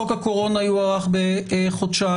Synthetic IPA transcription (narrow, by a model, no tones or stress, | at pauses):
okako̞ʁo̞najuaʁaχbeχod̪ʃa